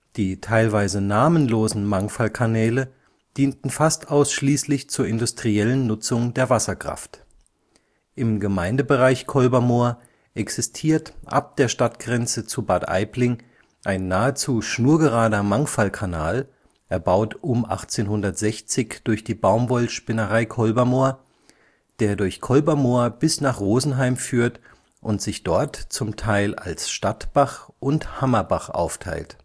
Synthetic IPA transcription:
d̥iːtʰaɪlvaɪzənaːmənloːzn̩maŋfalkʰanɛːlə | d̥iːntn̩fastʔaʊsʃliːslɪçt͡suːɐɪndʊstʁ̥iɛlənːʊt͡sʊŋdeːɐvasɐkʁ̥a̰ft | ʔɪmɡəmaɪndəbəʁaɪçkʰɔlbɐmoːɐ | ʔɛksɪstʰiːɐtʔa̰p̚d̥eːɐʃtatɡ̥ʁɛnt͡sət͡subaɐtʔa̰ɪplɪŋ | ʔaɪnːaːət͡suːʃnuːɐɡəʁaːdɐmaŋfalkʰanaːl | ʔɛɐbaʊtʔʊmʔa̰χt͡seːnhʊndɐtz̥ɛçt͡sɪçd̥ʊɐçd̥iːbaʊmbɔlʃpɪnəʁaɪkʰɔlbɐmoːɐ | d̥eːɐdʊɐçkʰɔlbɐmoːɐb̥ɪsnaːχʁoːzn̩ɦaɪmfyːɐt | ʔʊntz̥ɪçd̥ɔɐtt͡sʊmtʰaɪla̰lsʃtatb̥aχʔʊnthamɐbaχʔa̰ʊftʰa̰ɪlt

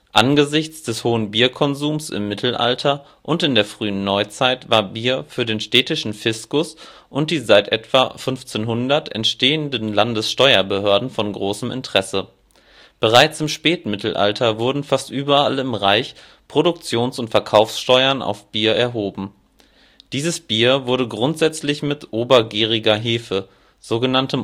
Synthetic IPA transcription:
ʔanɡəzɪçt͡sd̥ɛshoːənbiːɐkʰɔnzuːmsɪ̰mːɪtʰl̩ʔa̰ltʰɐ | ʔʊntɪndeːɐfʁ̥yːənːɔʏt͡saɪtv̥aːɐbiːɐfyːɐdeːnʃtɛːtɪʃn̩fɪskʊs | ʔʊnt̚d̥iːzaɪtʔɛtv̥a̰fʏnft͡seːnɦʊndɐtɛ̰ntʃteːəndənlandəsʃtɔʏɐbəhøɐdn̩fɔnɡʁoːsəmɪ̰ntʁ̥ɛsə | b̥əʁ̞aɪt͡sɪmʃpɛːtmɪtl̩ʔa̰ltʰɐvʊɐdn̩fastʔyːbɐʔa̰lɪmʁaɪç | pʁ̥odʊk̚t͡sjoːnsʊntfɛɐkʰaʊfsʃtɔʏɐna̰ʊfb̥iːɐɛɐɦoːbm̩ | d̥iːzəsb̥iːɐvʊɐɾəɡʁʊntz̥ɛt͡slɪçmɪtʔoːbɐɡiːʁ̞ɪɡɐɦɪːfə | z̥oːɡənantəm

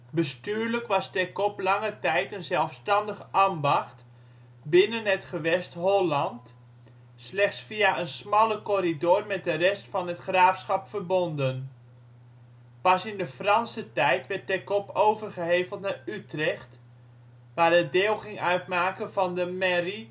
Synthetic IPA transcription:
bəstyːɹləkʋɑstɛkɔplɑŋətɛjtənzɛlˠfstɑndəχəʔambɑχt | bɪnənɦətχəʋɛstɦɔlɑnt | slɛχtsfiaʔənsmɑləkoɾidoːrmɛt̚dərɛstfɑnɦətχraːfsχɑpfərbɔndən | pɑsɪndəfrɑnsətɛjtʋɛt̚dɛkɔpowvərχəɦejvəlˠtnarytrɛχt | ʋaːrdədɪːlˠχɪŋœɥtmaːkəvɑndəmɛri

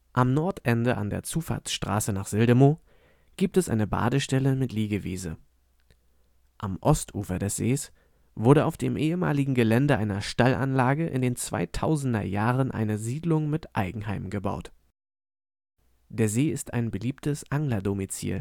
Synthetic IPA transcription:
ʔamnɔɐtʔɛndəʔa̰ndḛːɐt͡suːfa̰ɐt͡sʃtʁ̥a̰ːsənaːχz̥ɪldəmoː | ɡ̥iːp̚tɛsʔa̰ɪnəba̰ːdəʃtɛləmɪtliːɡəvḭːzə̰ | ʔamʔɔstʔṵːfɐdɛsz̥eːs | v̥ʊɐdɾəaʊfd̥eːmʔeːəma̰ːlɪɡŋ̩ɡəlɛndəʔaɪnɐʃtalʔa̰nlaːɡəʔɪ̰ndeːnt͡sv̥a̰ɪtʰaʊzn̩dɐ̰jaːʁənʔa̰ɪnəziːdlʊŋmɪtʔaɪɡŋ̩haɪmɡəba̰ʊt | d̥eːɐzeːɪstʰa̰ɪnbəliːptəsʔaŋlɐdomit͡sḭːl

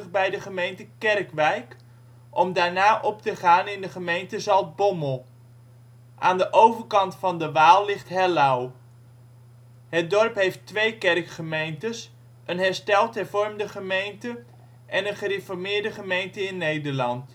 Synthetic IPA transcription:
əχbɛjdəχəmejntəkɛrkʋɛjk | ʔɔmdaːɹnaːʔɔp̚təχaːnɪndəχəmejntəzɑlˠt̚bɔməlˠ | ʔaːndəʔowvəɹkɑntfɑndəʋaːlˠlɪχtɦɛlaw | ɦət̚dɔɹpɦejftʋejkɛrkχəmejntəs | ʔənɦɛɹstɛlˠtɦɛɹvɔɹmdəχəmejntə | ʔɛnənχərefɔɹmɪːɹdəχəmejntəɪnːejdəɹlɑnt

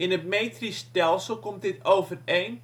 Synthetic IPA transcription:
ɪnət̚metristɛlˠsəlˠkɔmtdɪtowvərejn

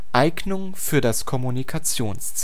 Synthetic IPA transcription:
ʔaɪɡnʊŋ | fyːɐdaskʰɔmunikʰat͡sjoːnst͡s

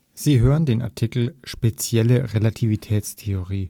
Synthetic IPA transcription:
z̥iːɦøːʁəndeːnʔa̰ɐtʰikl̩ʃpet͡sjɛləʁelatʰivitʰɛːt͡stʰeoʁiː

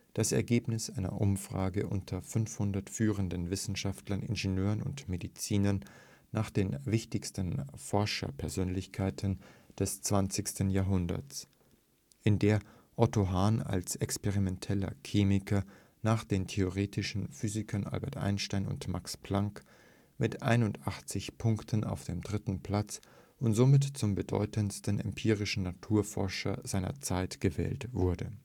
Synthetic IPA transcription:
d̥asɛ̰ɐɡeːpnɪsʔaɪnɐ̰ʔʊmfʁ̥a̰ːɡəʔʊ̰ntʰɐfʏnfhʊndɐtfyːʁəndənvɪsn̩ʃaftlɐnɪ̰nʒenjøːʁənʊ̰ntmedit͡siːnɐnː | aːχd̥eːnvɪçtɪçstənfɔɐʃɐ̰pʰɛɐzøːnlɪçkʰaɪtʰənd̥ɛst͡sv̥ant͡sɪçstənjaːɐɦʊndɐ̰t͡s | ʔɪndeːɐ | ʔɔtoɦaːna̰lsɛkspɛʁimɛntʰɛlɐ̰kʰiːmɪkʰɐ | naːχd̥eːntʰeoʁeːtʰɪʃn̩fyːzɪkʰɐnʔa̰lbɛɐtʔa̰ɪnʃtaɪnʊ̰ntmakspl̥aŋk | mɪtʔaɪnʊntʔaχt͡sɪçpʰʊŋktʰənʔa̰ʊfd̥eːmdʁɪtn̩pʰl̥at͡s | ʔʊntz̥omɪtt͡sʊmbədɔ̰ʏtʰənstənɛ̰mpʰiːʁɪʃn̩natʰuːɐfɔɐʃɐ̰zaɪnɐ̰t͡saɪtɡ̥əvɛ̰ːltv̥ʊɐdə̰

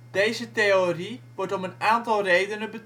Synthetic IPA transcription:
d̥ejzətejoriʋɔrtɔmənaːntɑlˠrejdənəbət

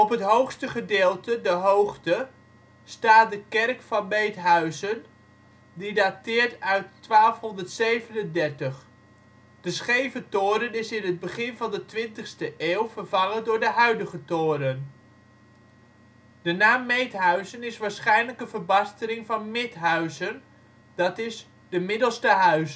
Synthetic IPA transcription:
ɔpɦətɦowxstəχədeːlˠtədəɦowχtə | staːt̚dəkɛrkfɑnmejtɦœɥzən | didatɪːɹtœɥtːʋaːlˠfɦɔndərtsejvənəndɛrtəχ | d̥əsχejvətoːɾənɪsɪnəd̚bəχɪnvɑndətʋɪntəχstəʔeːwˠvərvɑŋəndʊːɹdəɦœɥdəχətoːɾən | d̥ənaːmːejthœɥzənɪsʋaːɹsχɛjnləkənvərbɑstəɾɪŋvɑnmɪtɦœɥzən | d̥ɑtɪs | dəmɪdəl̩ˠstəɦœɥs

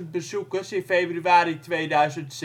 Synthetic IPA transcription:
bəzukəsɪnfejbryaːɾitʋejdœɥzənts

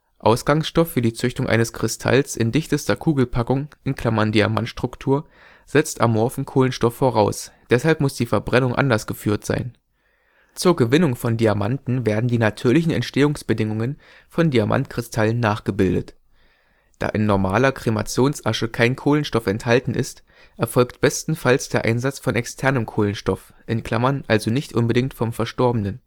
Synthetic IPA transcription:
ʔaʊsɡ̥aŋsʃtɔfːyːɐdiːt͡sʏçtʊŋʔa̰ɪnəskʁ̥ɪstʰa̰lsɪndɪçtəstɐkʰuːɡl̩pʰakʊŋʔɪnkʰl̥amɐndiama̰ntʃtʁ̥ʊktʰuːɐ | z̥ɛt͡stʔa̰mːɔɐfn̩kʰoːlənʃtɔfːoʁ̞aʊsd̥ɛshalpmʊsd̥iːfɛɐbʁɛnʊŋʔa̰ndɐsɡ̥əfyːɐtz̥a̰ɪn | t͡suːɐɡəvɪnʊŋfɔndiamantn̩veːɐdn̩diːnatʰyːɐlɪçn̩ɛ̰ntʃteːʊŋsb̥ədɪŋʊŋən | fɔndiamʔa̰ntkʁ̥ɪstʰalənːaːχɡ̥əbɪldə̰t | d̥a̰ːʔɪnːɔɐmaːlɐkʁ̥ema̰t͡sjoːnsʔaʃəkʰaɪnkʰoːlənʃtɔfɛnthaltn̩ʔɪ̰st | ʔɛɐfɔlktb̥ɛstn̩falsd̥eːɐʔa̰ɪnzat͡sfɔnʔɛkstʰɛɐnəmkʰoːlənʃtɔf | ʔɪnkʰl̥amɐnʔalzonɪçtʔʊnbədɪŋk̚tfɔmfɛɐʃtɔɐbənən

